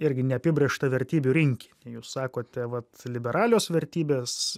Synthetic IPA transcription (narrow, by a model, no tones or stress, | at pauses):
ɪɾʲɡʲɪnʲɛɐpʲɪbʲɾʲeːʃt̪ɐʋʲɛɾʲt̪ʲiːbʲuɾʲɪŋʲkʲi̥nʲɛjuːssɑːkoːt̪ʲɛʋɐt̪lʲɪbʲɛɾɑːlʲoːsʋʲɛɾʲt̪ʲiːbʲeːs